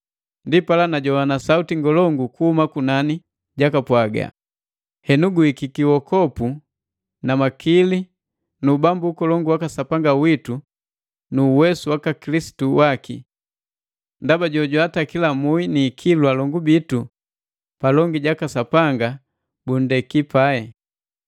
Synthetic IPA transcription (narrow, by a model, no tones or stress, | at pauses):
ndipalanaɟɔanasautiŋɡɔlɔŋɡukuhumakunani | ɟakapwaɡa̰ | hɛnuɡuikikiwɔkɔpu | namakili | nuːbambukɔlɔŋɡuwakasapaŋɡawitu | nuwɛsuwakakilisi̥tuwakḭ | ndabaɟɔɟwatakilamuiniːkʰilwalɔŋɡubitu | palɔŋɡiɟakasapaŋɡa | bun̩dɛkipaɛ